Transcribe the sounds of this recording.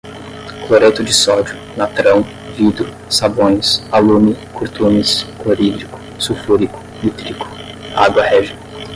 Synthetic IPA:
kloɾet̪ʊd͡ʒɪsɔd͡ʒʊ | nat̪ɾɐ̃w̃ | vid̪ɾʊ | sabõj̃salumɪkʰoɾt̪umiskoɾidɾikʊ̥sufuɾikʊ̥mit̪ɾikʊ̥ | a̰ɡwɐhɛʒi

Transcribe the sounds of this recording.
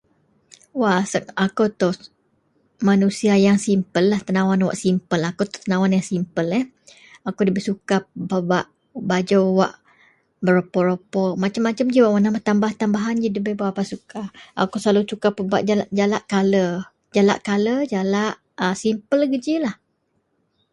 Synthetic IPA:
wasəakot̪ɔ | manusiajaŋsimpəlːaht̪ənawanwa̰ʔsimpəlakot̪ʊ̥t̪ənawanjaŋsimpəlɛ | akodəbəsukababaʔ | bad͡ʒowwa̰ʔ | bəɾopɔɾopɔmat͡ʃamːat͡ʃamd͡ʒiwaʔwənamət̪ambaht̪ambaɦand͡ʒidibəbawaʔpasukaa̰koslalusukapəbaʔd͡ʒalaʔd͡ʒalaʔkalə | d͡ʒala̰ʔkaləd͡ʒalaʔ | əsimpəlɡəd͡ʒilah

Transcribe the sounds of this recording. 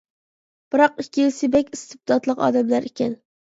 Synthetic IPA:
b̥ɪɾɒqɪkʲːijlsɪbekʲist̪ɪp̚t̪ɒt̪lˠɨqɒ̰d̪amlaɾɪkʲan

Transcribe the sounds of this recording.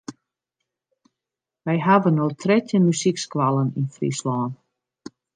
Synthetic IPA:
ʋɛjɦaʋənotʰrɛtjənmysikskwalˠəninfrḭslɔːn

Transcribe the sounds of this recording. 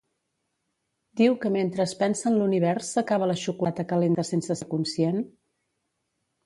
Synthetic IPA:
d̪iwkəment̪ɾəːspɛnsənluniβ̞ɛɾsːəkaβ̞ələʃukulat̪əkəlend̪əsensəsəkunsjen

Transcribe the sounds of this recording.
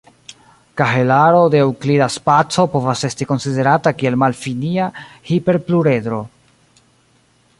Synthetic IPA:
kaɦe̞laɾo̞dewklidaspat͡so̞po̞vase̞stiko̞nside̞ɾatakie̞lmalfiniahipe̞ɾpluɾe̞d̪ɾo̞

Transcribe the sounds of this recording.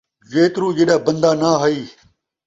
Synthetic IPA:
zeːt̪ɾuːd͡ʑeːɗaːbɐ̃nd̪aːnaːɦɐiː

